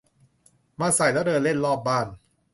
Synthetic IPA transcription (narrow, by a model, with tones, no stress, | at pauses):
maː˧sa˨˩˦jd̪aː˦˥˩dɤː˧nle˥˩nlɔː˥˩p̚baː˥˩n